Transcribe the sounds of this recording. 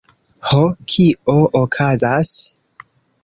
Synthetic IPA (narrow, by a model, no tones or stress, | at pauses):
hokʰioʔokʰazas